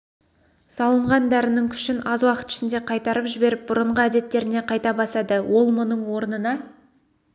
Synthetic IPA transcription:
sɑlˠəɴʁɑnd̪æɾɪnɪŋkʲʰʏ̥ʃɪnɑzwɑqə̥t̪ɪ̥ʃɪnd̪e̞qʰɑjt̪ɑɾəpʒɪbe̞ɾɪp̚bʊɾəɴʁəæd̪e̞t̪ːe̞ɾɪne̞qʰɑjt̪ɑbɑsɑd̪əwʔo̞lˠmʊnəɴwo̞ɾnənɑ

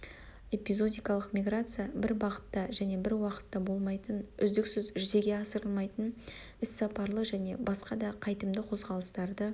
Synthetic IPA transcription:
e̞pʲizo̞d̪ʲijkɑlˠəqmʲijɡɾat̪sɨjabɪɾbɑqə̥t̪ːɑʒæne̞bɪɾwɑqə̥t̪ːɑbo̞lˠmɑjt̪ənʏ̰zd̪ɪksʏzʒʏze̞ɡʲe̞ɑsəɾəlˠmɑjt̪ən | ɪsːɑpɑɾlˠəʒæne̞̰bɑsqɑd̪ɑqʰɑjt̪əmd̪əqʰo̞zʁɑlˠəst̪ɑɾd̪ə

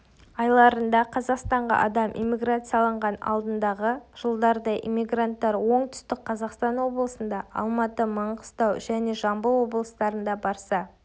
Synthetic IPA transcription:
ɑjlˠɑɾənd̪ɑqʰɑzɑqst̪ɑɴʁɑ̰ʔɑ̰d̪ɑmʔḭjmʲːiɡrat̪sɨjɑlˠəɴʁɑnɑ̰lˠd̪ənd̪ɑʁəʒ̥əlˠd̪ɑɾd̪ɑʔḭmʲiɡrant̪ːɑɾwo̞ɴt̪ʰʏ̥st̪ɪk̚qʰɑzɑqst̪ɑnwo̞blˠəsənd̪ɑɑ̰lˠmɑt̪əməɴqʰə̥st̪ɑwʒæne̞ʒɑmbəwo̞blˠəst̪ɑɾənd̪ɑbɑɾsɑ

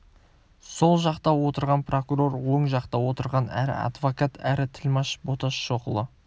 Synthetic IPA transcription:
so̞lˠʒɑqt̪ɑwo̞t̪əɾʁɑnpro̞kuɾo̞rwoɴʒɑqt̪ɑwot̪əɾʁɑnæ̰ɾɪ̰ɑ̰d̪vokat̪ʰæɾɪt̪ʰɪlmɑʃbo̞t̪ɑʃːo̞qəlˠə

